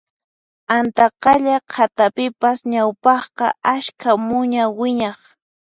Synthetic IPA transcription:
ant̪ɑqɑʎaqʰat̪apɪpasɲawpɑχqɑaʃkʰamʊɲawɪɲɑχ

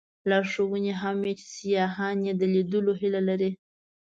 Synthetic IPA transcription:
lɑʂowəneɦamjet͡ʃɪ̥sijɑɦɑnjed̪əlid̪əloɦilalaɾi

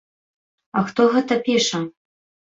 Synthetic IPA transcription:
axt̪ɔɣɛt̪ɐpʲiʂɐm

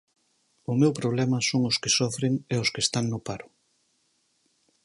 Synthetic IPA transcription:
ʊmewpɾoβ̞lɛmɐsoŋʊskɪsɔfɾeŋeʊskest̪aŋnʊpaɾʊ

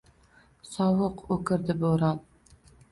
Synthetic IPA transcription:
sɒwɤqɵkɘ̆ɾd̪ɘboɾɑn

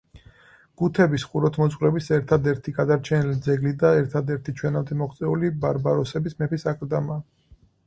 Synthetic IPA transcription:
ɡ̥ut̪ʰɛbisχuɾɔt̪ʰmɔsʼqʼɾɛbisɛɾt̪ʰad̪ɛɾt̪ʰiɡad̪aɾt͡ʃʰɛnilid̪zɛɡlid̪aɛɾt̪ʰad̪ɛɾt̪ʰit͡ʃʰwɛnabd̪ɛmɔχt̪sʼɛulibaɾbaɾɔsɛbismɛpisakʼɾd̪amaː

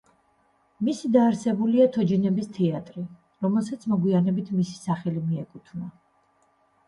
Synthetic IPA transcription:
misid̪aːɾsɛbuliat̪ʰɔd͡ʒinɛbist̪ʰɛat̪ʼɾi | ɾɔmɛlˠsat̪sʰmɔɡwianɛbit̪ʰmisi̥saχɛlimiɛkʼut̪ʰvna

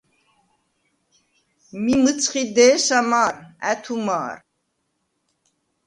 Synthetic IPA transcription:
mimət͡sʰχid̪ɛːʃamaːɾæ̰t̪ʰuma̰ːɾ

